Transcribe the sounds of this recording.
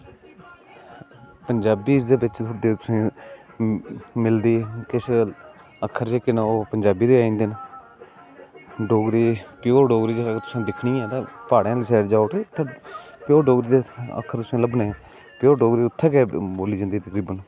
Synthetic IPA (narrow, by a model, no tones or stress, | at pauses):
pəɲd͡ʒaːbiːsd̪eːbɪt͡ʃt̪ʰʊʈd̪eːt̪ʊsẽː | mɪld̪iːkɪʃ | əkʰːəɾt͡ʃeːkɪnaoːpəɲd͡ʒaːbiːd̪eːaːĩːnd̪en | ɖoːɡɾiːpɪjoːɖoːɡɾiːd͡ʒt̪ʊ̥sẽːd̪ɪkʰɳĩːɛ̃ːt̪aːpaːɽjãːlisɛːʈd͡ʒaːoːʈeːt̪ʰapɪjoːɖoːɡɾiːd̪eə̰kʰːəɾt̪ʊsẽːləbnẽː | pɪjoːɖoːɡɾiːʊt̪ʰːɛːkɛːboːliːd͡ʒə̃nd̪iːt̪əkɾiːbən